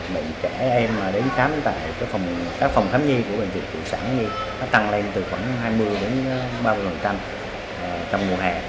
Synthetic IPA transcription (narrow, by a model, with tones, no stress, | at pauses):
ɓḭ˧˨ŋt͡ɕɛ˧˩ʔɛ˧maː˨˩ɗe˨˦nsaː˨˦mt̪a̰ː˧˨jkaː˦˥k̚fwŋ͡mkaː˦˥k̚fa˨˩wŋ͡mt̪ʰaː˨˦mɲi˧ku˧˩əɓe˨˩nzḭ˨˩t̚t̪ḭ˧˨saː˧˩nɲi˧ | na˨˦t̪a˧ŋle˧nt̪ɨ˨˩xɔ˧˩wɦaː˧jmɨ˧əjɗe˨˦n˦ɓaː˧mɨ˧jmɨ˨˩t͡ɕa˧m˨˩ | t͡ɕɔ˧wŋ͡mmu˨˩əɦaː˨˩